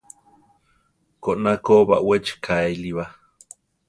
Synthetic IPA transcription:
koʔnakoβa̰ʔwet͡ʃkʰaeliβa

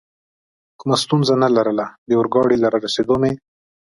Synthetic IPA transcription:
kʊmast̪unzanalaɾəlad̪əʊɾɡɑɽilaɾaɾased̪ome

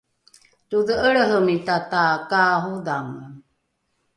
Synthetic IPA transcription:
tuðəʔəɭəɦəmitatakaɦudaŋə

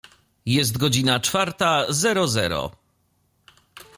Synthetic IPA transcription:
jɛs̬t̪ɡɔd͡ʑinat͡ʂfaɾt̪azɛɾɔzɛ̰ɾɔ̰

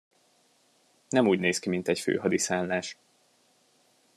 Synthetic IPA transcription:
nɛmuːɟneːskimint̪ɛcfø̰ːɦɒd̪isaːnlaːʃ

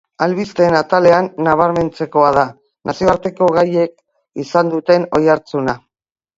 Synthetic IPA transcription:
alβist̪e̞ːnat̪ale̞anːaβ̞aɾme̞nt͡se̞ko̞að̞a | nʔasio̞aɾt̪e̞ko̞ɣaje̞k̚ | isand̪ut̪e̞no̞jaɾt͡suna

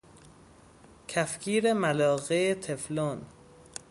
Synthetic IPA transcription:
cʰæfcʰiːɾemælɒːɣeet̪ʰeflon

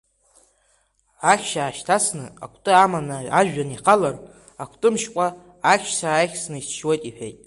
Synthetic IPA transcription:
aχʲʃaːʃtʰasnɨ̰a̰kʷʰtʼɨamanaaʒᶣaniqʰalar | akʷʰtʼɨmʃkʷʼa | akʲʃsaːjχʲsnɨisʰʃwejtʼiħᶣejtʼ

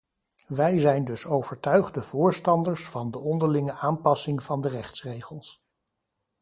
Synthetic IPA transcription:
ʋɛjzɛjndɵsowv̥əɹtœɥχdəv̥ʊːɹstɑndəɹsfɑndəɔndəɹlɪŋəʔaːnpɑsɪŋv̥ɑndərɛχtsrejχəlˠs

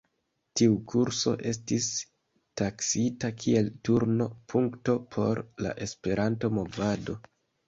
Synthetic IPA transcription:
tiukʰuɾso̞̰ʔe̞s̬tis | taksitakʰie̞ltuɾno̞pʰuŋkto̞pʰo̞ɾla̰ʔe̞spe̞ɾʔanto̞mo̞vado̞

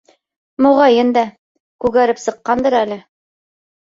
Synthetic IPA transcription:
muʁɑjɤnd̪æ | kʉɣæɾɘpsɤ̆qːɑnd̪ɤɾælɘ

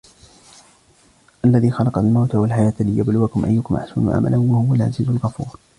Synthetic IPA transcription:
ʔalːaðiːxɑlɑqɑlmawt̪awalħajaːt̪lɪjablʊwakʊmʔa̰jːʊkʊmʔa̰ħsʊnṵːʕa̰ma̰lʔanwahʊwalʕa̰ziːzʊlɣɑfuːɾ

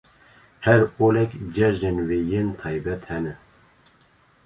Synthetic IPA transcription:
hɛɾolɛkʲd͡ʒɛʒnenweːjent̪ʰɑːjbɛt̪hɛnɛ

